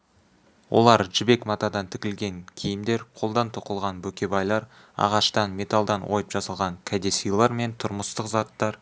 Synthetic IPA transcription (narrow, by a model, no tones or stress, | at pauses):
wʔo̞̰lˠɑɾʒɪbe̞kmɑt̪ɑd̪ɑnt̪ʰɪkʲɪlɡʲe̞ŋkʲʰijɪmd̪e̞ɾqʰo̞lˠd̪ɑnt̪ʰoqəlˠʁɑnbɵkʲe̞bɑjlˠɑɾ | ɑ̰ʁɑʃt̪ɑnme̞t̪alˠd̪ɑnwo̞̰jəpʒɑsɑlˠʁɑŋkʲʰæd̪esijlˠɑɾme̞nt̪ʰʊɾməst̪əqzɑt̪ːɑɾ